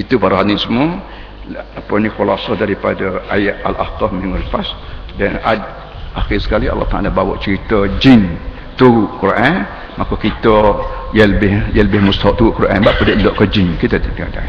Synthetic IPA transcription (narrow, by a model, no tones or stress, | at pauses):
it̪upaɾaɦanisəmuə | apənĩxulasɔhdaɾipadəajaʔʔalʔa̰ht̪ɔhmiŋʊlfasdanad | axɪsə̥kaliɑ̰lːɔht̪aʔa̰labawa̰ʔt͡ʃəɾit̪əd͡ʒin | t̪uuʔkuɾʔan | makokit̪əjaləbɪhjãləbɪhmust̪aɔʔt̪uuʔkuɾʔa̰nbaʔpədəʔlɔʔkəd͡ʒinkit̪ət̪idaada̰